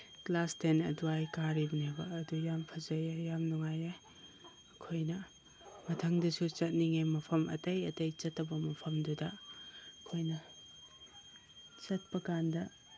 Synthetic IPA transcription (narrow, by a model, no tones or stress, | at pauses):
klastenɐ̰duajkaɾibɐnebɐːdujampʰɐzɐjejamnuŋajeː | kʰojnɐ | mɐtʰɐŋdɐsut͡ʃɐt̚niŋejmɐpʰɐmʔɐ̰tɐjɐtɐjt͡ʃɐtːɐbɐmɐpʰɐmdudɐɐkʰojnɐ | t͡ʃɐt̚pɐkandɐ